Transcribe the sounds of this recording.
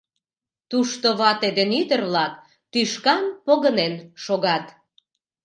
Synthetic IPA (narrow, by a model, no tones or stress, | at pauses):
t̪uʃt̪oβɑt̪ed̪enyd̪ərβlɑk̚ | t̪yʃkɑnpoɣənenʃoɣɑt̪